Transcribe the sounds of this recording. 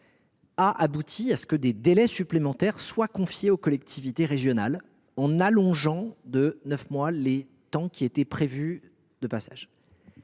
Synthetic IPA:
aʔabut̪ʰiasə̥kəd̪ed̪elɛsyplemɑ̃t̪ɛʁswakɔ̃fjeokɔlɛk̚t̪ʰivit̪eʁeʒjɔnal | ɑ̃nalɔ̃ʒɑ̃d̪ənœfmwale | t̪ɑ̃kʲiet̪ɛpχevy | d̪̥əpasa̰ʒ

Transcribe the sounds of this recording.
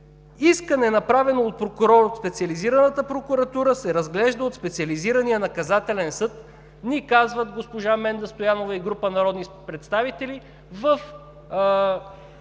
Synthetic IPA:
iskənɛnɐpɾavɛnoːt̪̚pɾokʊɾɔɾot̪spɛt̪siɐliziɾɐnət̪əpɾokuɾɐt̪uɾəsɛɾɐzɡlɛʒd̪əot̪spɛt̪siɐliziɾɐnijənɐkɐzat̪ɛlɛnsɤt̪ | nikazvət̪ɡospoʒamɛnd̪ɐst̪ojanovɐiɡɾupənɐɾɔd̪nipɾɛt̪st̪avit̪ɛli | vəf

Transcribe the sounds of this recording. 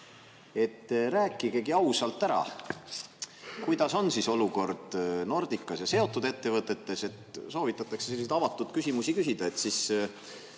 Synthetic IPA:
e̞t̪ræːkːˑiɡe̞ɡiɑwsɑlt̪ːæɾɑ̰ | kujd̪̥ɑso̞nsiso̞luko̞rd̪̥no̞rd̪̥ikˑːɑsjɑse̞o̞t̪ːˑud̪e̞t̪ːe̞vɤt̪ːˑe̞t̪ːe̞se̞t̪so̞ːvit̪ːˑɑt̪ːˑɑkseselːis̬et̪ɑvɑt̪ːˑud̪̥kysʲimusikysid̪̥ɑe̞t̪sis

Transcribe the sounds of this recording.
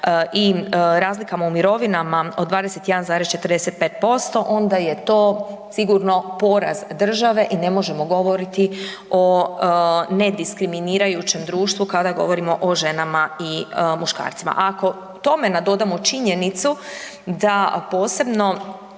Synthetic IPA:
ʔiɾaːzlikamoumiɾo̞ʋinamaod̪ʋaːd̪e̞se̞t̪jed̪anzaːɾest͡ʃe̞t̪ɾd̪eset̪̚peːt̪̚po̞st̪o̞ʔo̞nd̪aje̞t̪o̞ːsiɡuɾno̞po̞ɾa̰zd̪r̩ʒaʋe̞ʔine̞mo̞ʒe̞mo̞ɡo̞ʋo̞ɾit̪i | o | ne̞d̪iskɾiminiːɾajut͡ʃe̞md̪ɾuːʃt̪ʋukad̪aɡo̞̰ʋo̞ɾimo̞ʔoʒe̞namaimuʃka̰ːɾt̪sima̰ʔako̞ | t̪o̞me̞nad̪o̞d̪amot͡ʃiɲe̞nit̪su | d̪apo̞ːse̞bno̞

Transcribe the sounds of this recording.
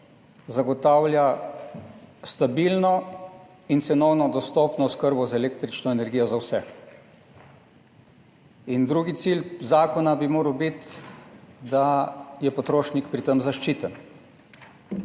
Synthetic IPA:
zaɡɔt̪aːwlʲja | st̪abilnɔ | int̪sɛnɔwnɔd̪ɔst̪ɔpnɔːskəɾbɔzaɛleːkt̪ɾit͡ʃnɔɛnɛɾɡijɔzawsɛ | ind̪ɾuɡit̪silzaːkɔnabimoːɾəwbit̪ | d̪ajɛpɔt̪ɾoːʃnikpɾit̪əmzaʃt͡ʃiːt̪ən

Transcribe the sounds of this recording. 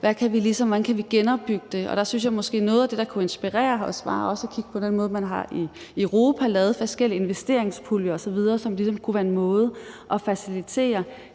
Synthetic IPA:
ʋækʰæʋilisɒ̽mʋænkʰæʋiɡ̥enɒ̽b̥̚yɡ̥əd̥e̝ɒ̽d̥ɑ̈synsjɑ̈ɪmɒ̽sɡ̥e̝̰ːnɔ̽ːð̞ˠæd̥e̝d̥ɑ̈kʰue̝nsb̥iʁɛ̰ːɐɒsʋɑ̰̈ːɒ̽sækʰiɡ̥ə̥pʰɒ̽d̥enmɔ̽ːð̩ˠmænɦɑ̈ʔiøʁo̝ːpʰælɛːʊð̞̩ˠfɒsɡ̥el̰ie̝nʋesd̥e̝ɐ̰eŋspʰuljəɒ̽sɒ̽ʋið̞ˠɐːsɒ̽mlisɒ̽mkʰuʋæːɐenmɔ̽ːð̞ˠʔɒ̽fæsilit͡sʰe̝̰ːɐ

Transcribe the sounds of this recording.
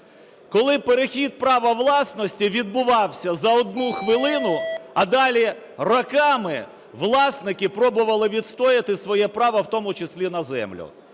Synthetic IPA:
kɔlˠɪpeɾexʲid̪̚pɾɑʋɐʋlˠɑsnɔsʲtʲiʋʲid̪̚bʊʋɑwsʲɐzɐɔd̪̚nuxʋɪlˠɪnʊɐd̪ɑlʲi | rɐkɑmɪ | ʋlˠɑsnɪkɪpɾɔbʊʋɐlˠɪʋʲid̪st̪ɔjɪt̪ɪsʋɔjɛpɾɑʋɐwt̪ɔmʊt͡ʃesʲlʲinɐzɛ̰mlʲʊ̰

